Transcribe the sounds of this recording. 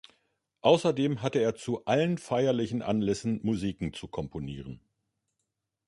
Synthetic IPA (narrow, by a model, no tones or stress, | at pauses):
ʔaʊsɐdeːmɦatəeːɐt͡suʔalənfaɪɐlɪçn̩ʔa̰nlɛsn̩muziːkŋ̩t͡sukʰɔmpʰoniːʁən